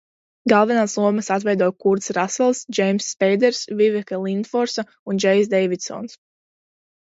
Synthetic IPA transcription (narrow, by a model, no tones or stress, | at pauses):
ɡalˠvɛnaːslˠuɔmasat̪vɛjd̪uɔjkuɾt̪sɾasɛlˠsd͡ʒɛjmsːpɛjd̪ɛɾsvivɛkɛlˠind̪fɔɾsa | und͡ʒɛjsd̪ɛjvid̪sɔ̰ːns